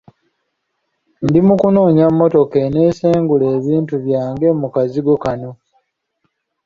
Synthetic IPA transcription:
ndimukunoːɲamːo̞to̞kene̞ːseːŋɡule̞ːβiːntuβjaːŋɡe̞mukaziɡo̞kano̞

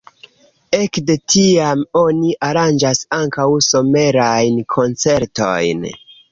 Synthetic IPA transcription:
e̞kde̞tiamo̞niʔaɾand͡ʒasaŋkawso̞me̞ɾajnkʰo̞nt͡se̞ɾto̞̰jn

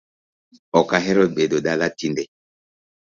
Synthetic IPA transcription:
ɔkaɦɛɾɔd̚ɓedodalatindɛ

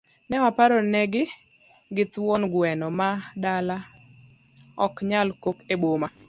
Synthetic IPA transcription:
nɛwapaɾɔnɛɡɪ | ɡɪt̪wɔnɡwɛnɔmadala | ɔkɲalkokeboma

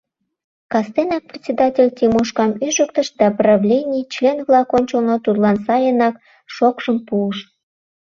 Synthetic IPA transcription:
kɑst̪enɑk̚prʲɪt̪ʲsʲed̪ɑtʲelʲt̪ʲimuʃkɑmyʒəkt̪əʃd̪ɑprɑvlʲenʲijt͡ɕlʲenvlɑkonʲt͡ɕəlnot̪ud̪lˠɑnsɑjənɑk | ʃokʒəmpuəʃ

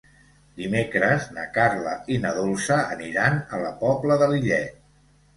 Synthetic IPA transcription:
d̪imekɾəznə̰karləinəðolˠsəːniɾanələpɔbləðəliʎɛ

